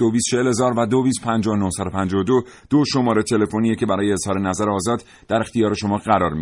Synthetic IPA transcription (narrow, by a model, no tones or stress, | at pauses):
d̥̪ovist̪t͡ʃʰehelezɒːɾvæd̪oviːst̪̚pʰænd͡ʒɒːonohsæd̪o̞pʰænd͡ʒɒod̪o | d̪̥oʃo̞mɒːɾet̪ʰe̞le̞fonijecʰe̞bæɾɒːjeːz̥hɒːɾe̞næzæɾeɒːzɒːd̪ | d̪̥æɾe̞xt̪ijɒːɾe̞ʃo̞mɒːɢæɾɒ̰ːɾmi